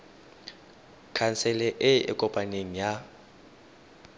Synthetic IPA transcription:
kʰansɛlɛʔɪɪ̰kʼɔpʼaneŋ̩ja

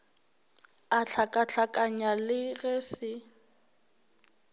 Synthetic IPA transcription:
at͡ɬʰakʼaɬʰakʼaɲalɪɣɛsɪ

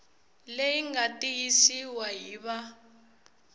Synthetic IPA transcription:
lejiŋɡatʼijisiwaɦiβa

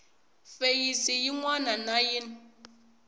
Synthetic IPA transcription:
fejisijiŋwananajin

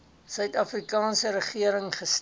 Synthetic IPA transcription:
sœɥtɐfrikɑːnsəɾəχiəɾəŋχəs

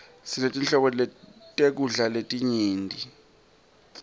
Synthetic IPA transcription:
sinetʼinɬɔɓɔtʼek̬uɮaletʼiɲiːndʼʱi

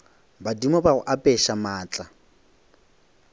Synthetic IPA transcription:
badimɔbaʊʔapʼɛʃamaːt͡ɬʼa

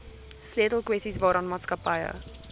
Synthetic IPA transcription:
sliətəl̩ˠkwɛsisvɑːɾɑnmɑːtskəpɐjə̰

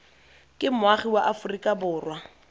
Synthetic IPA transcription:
kʼɪmʊaχiwaʔafʊrikʼabʊːrwa

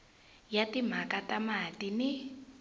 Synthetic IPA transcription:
jatim̤akatamatinɪ

